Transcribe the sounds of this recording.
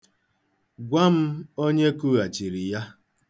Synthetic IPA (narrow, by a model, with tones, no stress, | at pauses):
ɡʷa˦m̩˦o˦ɲe˦ku˦ɣa˨t͡ʃi˨ɾi˨ja˦